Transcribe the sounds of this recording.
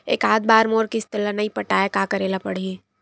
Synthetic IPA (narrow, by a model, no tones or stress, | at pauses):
eːkaːd̪̚baːɾmoːɾkist̪ɪlːanaipɐʈaːjekaːkɐɾeːlapɐɽ̤iɦẽː